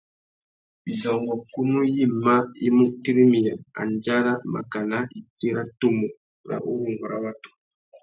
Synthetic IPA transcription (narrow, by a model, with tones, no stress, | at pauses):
i˨zɔ˨ŋɡɔ˨ku˦nu˦ji˦˨ma˦ḭ˦mu˦ʔti˦ɾi˦mi˨ja˨a̰˨nd͡ʒa˦ɾa˦ma̰˨ka˨na˦i˨ke˦ɾa˦to˦mo˨ | ɾa̰˨ʔo˦ɾu˨ŋɡɔ˨ɾa̰˨wa˦tu̥˨